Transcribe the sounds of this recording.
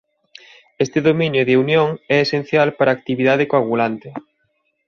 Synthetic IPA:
est̪ɪðomĩnjoðeunjoŋɛesen̟θjalpaɾaːk̚t̪iβiðaðekoaβulant̪ɪ

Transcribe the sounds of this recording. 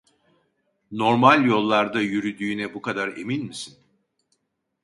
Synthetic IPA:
no̞ɾmalʲjo̞lˠːaɾd̪ajyɾyd̪yːnɛbukad̪aɾe̞̰minmisin

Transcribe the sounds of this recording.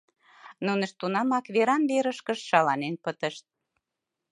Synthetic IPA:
nunəʃt̪ːunɑmɑkβeɾɑnβeɾəʃkə̆ʃʃɑlɑnenpət̪əʃt̪̚

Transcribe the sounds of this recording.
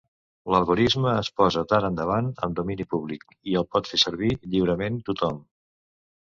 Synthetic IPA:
ləlˠɣuɾizməːspɔzət̪aɾənd̪əβ̞anə̰md̪uminipuβlik | iəlˠpɔt̪fesəɾβiʎiwɾəment̪ut̪ɔm

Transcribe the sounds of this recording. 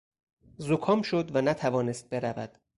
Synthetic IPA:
zokʰɒːmʃod̪vænæt̪ʰævɒːnest̪̚be̞ɾævæ̰d̪̥

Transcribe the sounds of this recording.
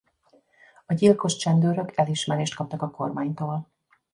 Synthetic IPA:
ɒɟilko̞ʃt͡ʃɛnd̪øːɾøkʰɛliʃmɛɾeːʃt̪kɒp̚t̪ɒkɒko̞rmaːɲt̪oːl

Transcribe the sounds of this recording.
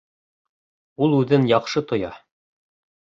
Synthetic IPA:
ulˠʉðɘnjɑqʃɤt̪ŏjɑ

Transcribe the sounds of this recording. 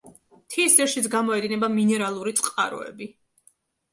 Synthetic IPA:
t̪ʰisd̪ɛɾʃit̪sʰɡamɔɛd̪inɛbaminɛɾalˠuɾit̪sʼqʼa̰ɾɔ̰ɛ̰bi

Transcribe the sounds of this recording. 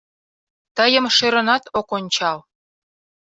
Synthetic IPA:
t̪əjə̆mʃeɾə̆nɑt̪ʰokonʲt͡ɕɑl

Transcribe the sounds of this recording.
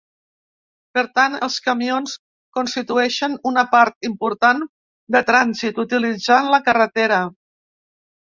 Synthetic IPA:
pəɾt̪anəlˠskəmions | konst̪it̪uɛʃənunəpaɾt̪̚impuɾt̪an | d̪ət̪ɾanzit̪ut̪ilid͡zanləkərət̪eɾə

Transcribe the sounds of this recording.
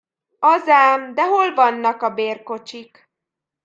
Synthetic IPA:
ɒzaːmd̪ɛɦo̞lvɒnːɒkɒbeːrko̞t͡ʃik

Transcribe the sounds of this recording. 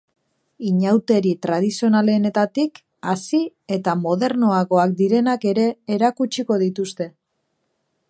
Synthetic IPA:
iɲawt̪e̞ɾit̪ɾað̞isio̞nale̞ne̞t̪at̪ik | asie̞t̪amo̞ð̞e̞ɾno̞aɣo̞ak̚d̪iɾe̞nake̞ɾe̞ːɾakut͡ʃiko̞ðit̪ust̪e̞

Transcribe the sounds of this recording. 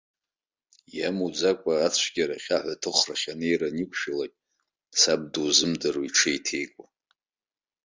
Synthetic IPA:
jamud͡zakʷʼaːt͡sʷʰɡʲaɾaχʲaħʷatʰɨχraχʲanejranikʷʰʼʃalakʲʼ | sab̚duzɨmdaruiʈ͡ʂʰejtʰe̞jkʷʼa

